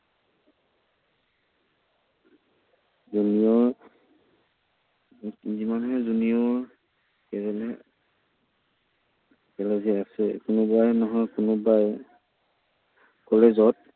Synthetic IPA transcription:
zunijɔ | zimanɦɛzuniɔ | kɛlɛlɛ | kɛlɛziasɛ̰kʊnʊbajnɔɦɔjkʊnʊbaj | kɔlezɔt̚

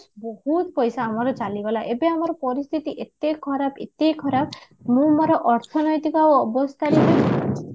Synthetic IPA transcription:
bɔhut̪pɔjsaːmɔɾɔt͡ʃalibelaʔebeamɔɾɔpɔɾist̪ʰit̪iʔet̪ekʰɔɾabet̪ekʰɔɾab̚ | mũmɔɾɔʔɔɾt̪ʰɔnɔjt̪ikaoɔbɔst̪ʰaɾeke

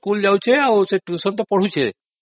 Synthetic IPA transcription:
kuld͡ʒawt͡ʃʰeawseʈusɔnt̪ɔpɔɽ̤ut͡ʃʰe

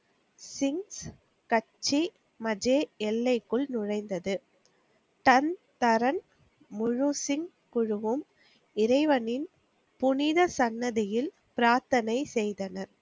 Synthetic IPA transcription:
sɪŋs | kɐt͡ʃːi | mɐd͡ʒeːɛlːɐɪkːɯɭnʊɻɐɪnd̪ɐðɯ | t̪ɐnt̪ɐɾɐn | mʊɻʊsɪŋ | kʊɻʊʋɯm | ɪɾɐɪʋɐnɪn | pʊnɪðɐsɐnːɐðɪjɪl | pɪɾaːɾt̪ɐnɐɪsɛjðɐnɐɾ

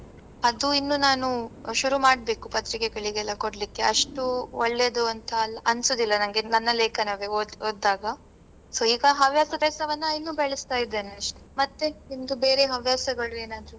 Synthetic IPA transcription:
ɐd̪uinːunaːnuʃuɾumaːɖbe̞ːkupɐt̪ɾikeɡɐɭiɡɛlːɐkoɽlikːe̞ɐʂʈuɔɭːed̪oɐnt̪ʰɐːlːɐʔɐnsoːd̪ilːɐnɐŋɡenɐnːɐleːkɐnaːʋeoːoːd̪ːaːɡɐ | so̞ːiːɡɐɦɐʋjaːsɐdɛːsɐʋɐnːɐjinːuːbɛɭɛst̪aːjid̪ːe̞ːneɐʂʈu̥mɐt̪ːeind̪ube̞ːɾe̞ɦɐʋjaːsɐɡɐɭue̞ːnaːd̪ɐɾu

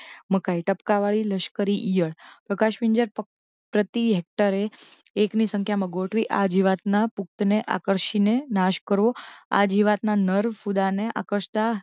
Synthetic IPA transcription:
məkaiʈəpkaʋaɭiləʃkəɾiʔijəɭpɾəkaʃʋiɲd͡ʒəɾ | pɾət̪iɦek̚ʈəɾeː | knisəŋkʰjamãɡoʈʰʋiʔad͡ʒiʋat̪napuk̚t̪neʔa̰kəɾʃinenaʃkəɾʋoa̰d͡ʒiʋat̪nanəɾfud̪aneʔa̰kəɾʃt̪a

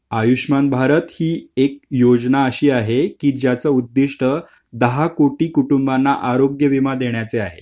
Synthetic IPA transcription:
ajuɕmanbʱaɾət̪hiːek̚jod͡znaəɕiːaɦekiːd͡ʑjat͡səud̪ːiʂʈə | d̪əɦakoʈiːkuʈumbanːaʔaɾoɡjəʋimad̪eɳjat͡seaɦe

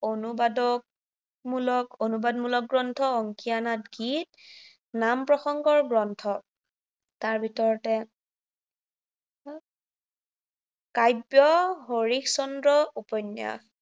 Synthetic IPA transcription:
onubadɔk̚ | mulɔkonubadmulɔk̚ɡɹɔntʰɔɔŋkijanat̚ɡit̚ | nampɹɔxɔŋɡɔɹɡɹɔntʰɔ | taɹbʱitɔɹɔtɛ | kajbjɔɦoɹiksɔndɹɔupɔnja̰

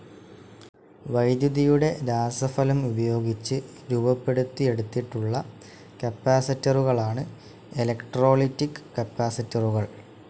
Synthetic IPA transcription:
ʋɐjd̪juðijuɽe̞ɾaːsɐfɐlumubɐjo̞ːɡit͡ɕːɨ | ɾuːbɐpːe̞ɽut̪ːie̞ɽut̪ːiʈːuɭːɐ | kɐpːaːsɐtːɐruɣɐɭaːɳɨ | elɐkʈro̞ːɭitːikːkːɐpːaːsitːɐruɣɐɭ

